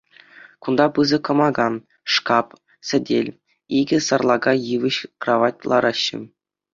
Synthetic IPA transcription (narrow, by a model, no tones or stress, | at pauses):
kund̪ɑpɯzɤ̆kɤ̆mɑɡɑn | ʂkɑp | sʲɘ̆dʲelʲ | iɡʲɘ̆sɑrlˠɑɡɑjɯʋɘ̆ɕkrɑʋɑtʲlˠɑɾɑɕːɘ̰̆